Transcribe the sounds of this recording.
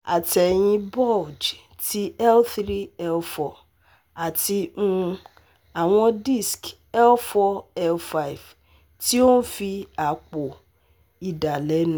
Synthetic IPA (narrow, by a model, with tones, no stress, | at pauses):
a˨tɛ˨j̃ĩ˧bɔ˦˨d͡ʒ | ti˦ɛ˦lθɾi˦ɛ˧lfɔ˨ | a˨ti˧ũ˦˧ | a˨w̃ɔ̃˧di˦˨sk | ɛ˦lfɔ˦ɛ˧lfa˦i˨v | ti˦o˦n̩˦fi˧a˨k͡po˨ | i˨da˨lɛ˨˦nũ˦